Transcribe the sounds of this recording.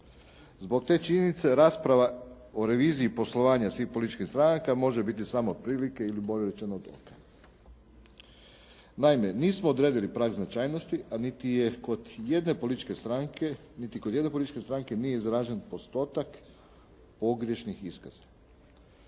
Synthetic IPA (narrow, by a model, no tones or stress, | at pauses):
zbo̞k̚t̪e̞ːt͡ʃiɲenit̪se̞ɾaːspɾaʋa | o̞ɾe̞ʋiːziipo̞slˠo̞ʋaːɲasʋiːxpo̞lit̪it͡ʃkixst̪ɾanakamo̞ʒebit̪̬isamoːd̪̚pɾiːlike̞ilibo̞ʋʲeɾet͡ʃenood̪o̰kḁ | naime̞niːsmoːd̪ɾed̪ilipɾaːɡznat͡ʃaːjno̞st̪iʔanit̪ijekod̪je̞d̪ne̞po̞lit̪i̥t͡ʃke̞st̪ɾaŋke | nit̪ikod̪je̞d̪nepoit̪i̥t͡ʃkest̪ɾaŋke̞nije̞izɾaːʒenpo̞st̪o̞ːt̪ak | po̞ɡɾje̞ʃnixiskaz̥ḁ